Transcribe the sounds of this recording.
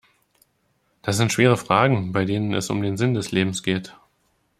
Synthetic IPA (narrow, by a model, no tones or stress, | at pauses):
d̥as̬z̥ɪntʃv̥eːʁ̞əfʁ̥aːɡŋ̩baɪdeːnənɛ̰sʊ̰mdeːnzɪndɛsleːbm̩sɡ̥eːt